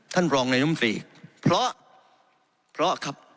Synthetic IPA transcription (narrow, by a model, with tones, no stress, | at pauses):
t̪ʰa˥˩nɾɔː˧ŋna˧jo˦˥˨sḭː˨˩k̚pʰɾɔ˦˥ʔ | pʰɾɔ˦˥kʰa˧˩p̚